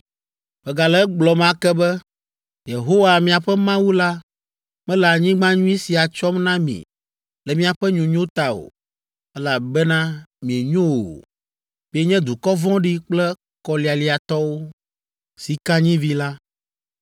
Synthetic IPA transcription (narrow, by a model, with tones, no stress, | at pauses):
b̥ɛ˨ɡa˨lɛ˦ɡ͡blɔ˨mã˦kɛ˦bɛ˦ | je˨ɦo˦wa˨mĩ˨a˨ɸɛ˦mã˦wu˦la˦ | mɛ̃˦la˨ɲĩ˦ɡ͡bã˦ɲũ˦i˦si˨a˨t͡ʃɔ˦mnã˦mḭ̃˨ | lɛ˨mĩ˦a˨ɸɛ˦ɲũ˨ɲõ˦t̪a˨o̰˨ | ɛ˦la˨bɛ˦nã˦mĩ˨e˨ɲõ˦wo̰˨ | mi˦e˦ɲɛ̃˦d̪u˨kɔ˦vɔ̃˦ɖi˦k͡plɛ˦ | kɔ˨li˨a˨li˦a˨t̪ɔ˦wo˦ | si˨kã˦ɲĩ˦vi˦la˦